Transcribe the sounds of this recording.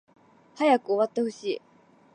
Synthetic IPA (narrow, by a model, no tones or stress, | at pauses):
hajakɯ̟oβat̪ːehɯ̟ɕiː